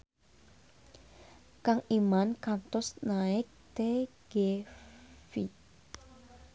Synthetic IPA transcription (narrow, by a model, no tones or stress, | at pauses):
kaŋʔimankant̪ʊsnaɪk̚t̪e | ɡ̥e | fi